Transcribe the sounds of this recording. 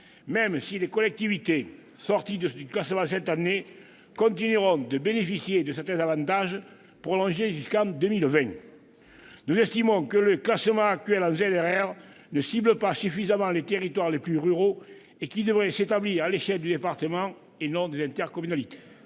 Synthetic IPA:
mɛmsilekɔlɛk̚t̪ivit̪e | sɔʁt̪id̪əsyklasəmɑ̃s̬ɛt̪ane | kɔ̃nt̪̬inyʁɔ̃d̪əbenefisjed̪əsɛʁt̪ɛ̃zavɑ̃nt̪aʒ | pχɔlɔ̃ʒeʒyskɑ̃d̪əmilvɛ̃ | nuzɛst̪imɔ̃kələklasəmɑ̃ak̚t̪ɥɛlɑ̃zɛnɛʁɛʁ | nəsibləpasyfizamɑ̃let̪eʁit̪waʁleplyʁyʁo | ekid̪əvʁɛset̪abliʁaleʃɛld̪yd̪epaʁt̪əmɑ̃ | enɔ̃d̪ezɛ̃nt̪ɛʁkɔmynalit̪e̥

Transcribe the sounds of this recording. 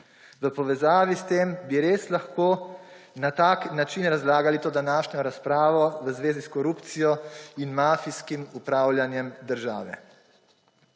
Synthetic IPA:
ʋəpɔʋɛzaːʋist̪embiɾeːslaxkoː | nat̪aknat͡ʃinɾazlaːɡalit̪oːd̪anaːʃnɔɾaspɾaːʋɔʋəzʋeːziskɔɾuːpt̪sijɔinmaːfiskimupɾaːwlʲjanjɛmd̪əɾʒaːʋɛ̰

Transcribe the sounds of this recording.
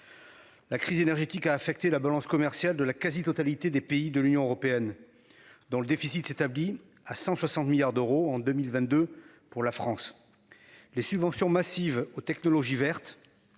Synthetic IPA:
lakχizenɛʁʒet̪ikaːfɛk̚t̪elabalɑ̃skɔmɛʁsjald̪əlakazit̪ɔt̪alit̪ed̪epeid̪əlynjɔ̃øʁɔpeɛn | d̪ɔ̃ləd̪efisit̪et̪abli | asɑ̃swasɑ̃t̪miljaʁd̪øʁoɑ̃d̪ømilvɛ̃t̪̚d̪ø | puʁlafχɑ̃s | lesybvɑ̃sjɔ̃masivot̪ɛknɔlɔʒivɛʁt̪

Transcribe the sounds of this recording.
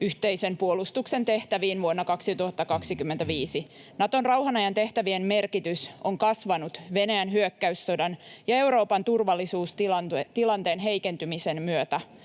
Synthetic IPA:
yht̪e̞ise̞mpuolust̪ukse̞nt̪e̞ht̪æʋiːnʋuonːɑkɑksit̪uhɑt̪ːɑkɑksikymːent̪æʋiːsi | nɑt̪o̞nrɑwhɑnɑjɑnt̪e̞ht̪æʋienme̞rkit̪yso̞ŋkɑsʋɑnut̪ʋe̞næjænɦyøkːæysːo̞dɑnjɑe̞wɾo̞ːpɑnt̪urʋɑlːisuːst̪t̪ilɑnt̪e̞ːnɦe̞jke̞nt̪ymise̞nmyøt̪æ

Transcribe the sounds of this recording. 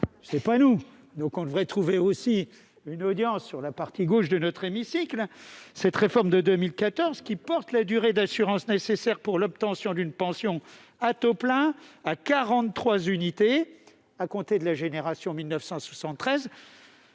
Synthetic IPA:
sɛpanu | d̪ɔ̃kɔ̃d̪əvʁɛt̪χuveosi | ynod̪jɑ̃sːyʁlapaʁt̪iɡoʃd̪ənɔt̪χemisiklsɛt̪ʁefɔʁmd̪əd̪ømilkat̪ɔʁzkʲipɔʁt̪lad̪yʁed̪asyʁɑ̃snesesɛʁpuʁlɔb̚t̪ɑ̃sjɔ̃d̪ynpɑ̃sjɔ̃ | at̪oplɛ̃akaʁɑ̃t̪t̪ːχwazynit̪e | akɔ̃t̪ed̪əlaʒeneʁasjɔ̃milnəfsɑ̃swasɑ̃t̪ːχɛz

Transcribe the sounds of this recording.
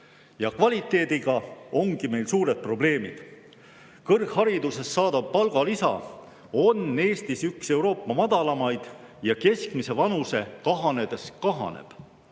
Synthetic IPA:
jɑkvɑlʲit̪ːˑe̞ːd̪̥iɡ̥ɑo̞ŋɡ̥ime̞jlsuːɾe̞d̪̥̚pro̞ble̞ːmḭd̪̥ | kɤrɡ̥hɑɾid̪use̞sːɑːd̪̥ɑb̥̚pɑlɡ̥ɑlisɑ̰ | o̞nːe̞ːst̪isykse̞uwɾo̞ːpːˑɑmɑd̪̥ɑlɑmɑjd̪̥ | jɑke̞skmise̞vɑnuse̞kɑɦɑne̞d̪̥e̞skɑɦɑ̰nḛb̥

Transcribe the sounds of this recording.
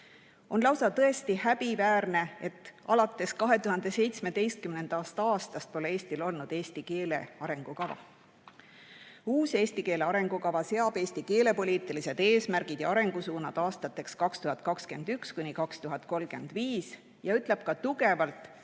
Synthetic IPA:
o̞nlɑwsɑt̪ɤ̞e̞st̪ihæbivæːrne̞e̞t̪ːˑɑlɑt̪ːˑe̞skɑɦe̞t̪uɦɑnd̪̥e̞se̞jt̪sme̞d̪e̞jst̪̚kymne̞nd̪̥ɑst̪ɑːst̪ɑst̪̚po̞lee̞ːst̪ilo̞lnud̪̥e̞ːst̪ike̞ːle̞̰ɑɾe̞ŋɡ̥ukɑvɑ̰ | uːse̞ːst̪ike̞ːleɑɾe̞ŋɡ̥ukɑvɑse̞ɑbe̞ːsʲt̪ike̞ːle̞po̞liːt̪ːˑilise̞d̪̥e̞ːsmæɾɡ̥id̪̥jɑɑɾe̞ŋɡ̥usuːnɑd̪̥ɑːst̪ɑt̪ːˑe̞kskɑkst̪uɦɑd̪̥̚kɑkske̞nd̪ykskunʲikɑkst̪uɦɑd̪̥̚ko̞lɡ̥e̞nd̪̥viːs | jɑyt̪ˑle̞b̥̚kɑt̪uɡe̞vɑlt̪ˑ

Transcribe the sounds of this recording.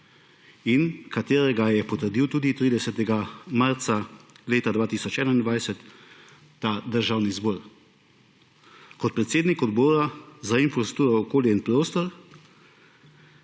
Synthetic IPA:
inkat̪eːɾɛɡajɛpɔt̪əɾd̪iwt̪uːd̪it̪ɾiːd̪ɛsɛt̪ɛɡamaɾt̪saleːt̪ad̪ʋaːt̪iːsɔt͡ʃɛːnaind̪ʋajsɛt̪ː | ad̪əɾʒaːwnizbɔːɾ | kɔt̪̚pɾɛt̪seːd̪nikɔd̪bɔːɾazainfɾɔsst̪uːɾɔɔkoːljɛinpɾoːst̪ɔɾ

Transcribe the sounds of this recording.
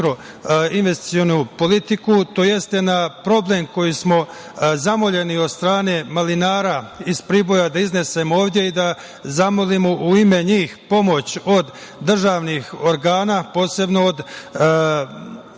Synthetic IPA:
kɾo | inʋe̞st̪i̥sio̞nupo̞lit̪ikut̪o̞je̞st̪e̞napɾo̞ble̞mko̞jismo̞ | zamo̞ʎe̞niod̪st̪ɾaːne̞malinaːɾaizpɾiːbo̞jad̪aizne̞se̞moo̞ːʋd̪je̞id̪a | zamolimoʔuime̞ɲiːxpo̞mo̞t͡ɕo̞d̪ː | r̩ʒaːʋnixo̞ɾɡaːnaːpo̞ːse̞bno̞ːd̪

